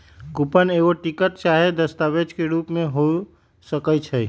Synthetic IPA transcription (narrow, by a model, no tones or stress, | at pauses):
kupəneɡoʈikəʈt͡ʃaɦed̪əst̪abed͡ʒkeɾupmeɦo | səkət͡ʃʰə